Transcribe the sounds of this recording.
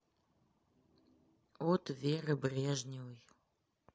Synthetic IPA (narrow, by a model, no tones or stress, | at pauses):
otʰverəbrʲeʒnʲiwj